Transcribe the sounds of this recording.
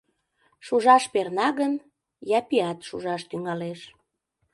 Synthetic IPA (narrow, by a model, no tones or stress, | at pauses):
ʃuʒɑʃpernɑɣən | jɑpiɑt̪ʃuʒɑʃt̪yŋɑleʃ